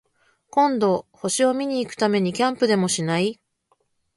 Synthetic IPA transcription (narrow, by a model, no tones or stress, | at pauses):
kõ̞nd̪o̞ho̞ɕio̞mʲiɲ̟iːkɯ̟̥t̪ame̞ɲ̟ikʲãmpɯ̟d̪e̞mo̞ɕinai